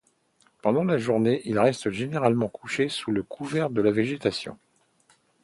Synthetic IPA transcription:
pɑ̃d̪ɑ̃laʒuʁneʔilʁɛst̪ʒeneʁalmɑ̃kʰuʃesuləkʰuvɛʁd̪əlaveʒet̪asjɔ̰̃

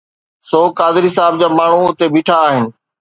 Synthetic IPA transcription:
soːkaːd̪ɪɾisaːɪbd͡ʑaːmaːɳ̤ũʊt̪ebiːʈʰaːɦɪnɪ̆

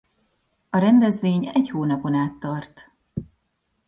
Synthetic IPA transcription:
ɒɾɛnd̪ɛzʋeːɲɛchoːnɒpo̞naːt̪ːɒrt̪

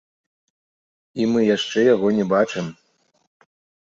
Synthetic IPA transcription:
imɨjaʂt͡ʂɛjaɣɔnʲɛbat͡ʂɨm

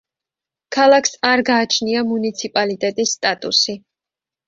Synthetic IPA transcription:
kʰalˠakʰsaɾɡaːt͡ʃʰniamunit̪sʰipʼalit̪ʼɛt̪ʼisːt̪ʼat̪ʼṵsi

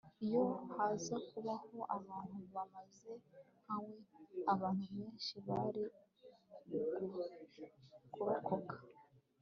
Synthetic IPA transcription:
ijo̞hazakuβaho̞ʔaβaːn̥uβamaze̞ | hawe̞aβaːn̥huβe̞ːnʃiβaɾi | kuɾokʰo̞kḁ

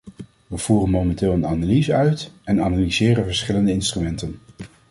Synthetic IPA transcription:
ʋəv̥uːrənmomɛntɪːlˠənanalizəœɥtɛnanalizɪːrənvəɹsχɪləndəɪnstrymɛntən

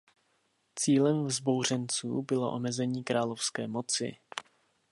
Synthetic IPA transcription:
t͡siːlɛmvzbo̞wr̝ɛnt͡sṵːbɪlo̞̰ʔomɛzɛɲiːkɾaːlofskɛːmo̞t͡sɪ̰

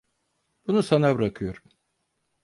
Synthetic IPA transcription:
b̥unusanabɯɾakʰɯjo̞ɾum

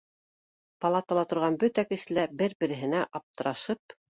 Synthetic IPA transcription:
pɑlˠɑt̪ɑlˠɑt̪ŏɾʁɑnbɵt̪ækɘ̆ʃɘ̆læbɘɾbɘ̆ɾɘ̆ɦɘ̆næʔɑp̚t̪ɤ̆ɾɑʃɤp̚

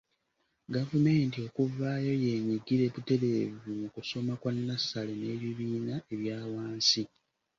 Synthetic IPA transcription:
ɡavume̞ːntio̞kuvaːjo̞je̞ːɲiɡiɾe̞βute̞ɾe̞ːvumukuso̞makwanːasalene̞ːβiβiːnae̞βjaːwaːnsi

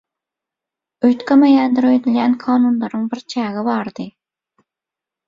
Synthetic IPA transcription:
øjt̪kʰʲɪmɛjænd̪ɪɾøjd̪ɪljʲɛnkʰɑːnunlˠɑɾɨŋbɪɾt͡ʃʰæːɣɪbɑɾd̪ɨ

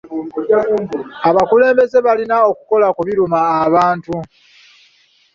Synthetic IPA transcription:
aβakule̞ːmbe̞ze̞βalinao̞kuko̞lakuβiɾumaːβaːntu

